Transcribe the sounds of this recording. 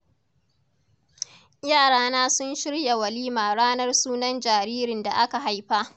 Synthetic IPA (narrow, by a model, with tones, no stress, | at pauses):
jaː˦˨ɽaː˦naː˦sʊ˦nʃɪ˦ɽja˨wɐ˨liː˦maː˨ɽaː˦nɐ˦rsuː˦nɐ˦nd͡ʒaː˨ɾiː˦ɾɪ˨nda˨ʔa˦ka˨ɦa˦jɸa˦ʔ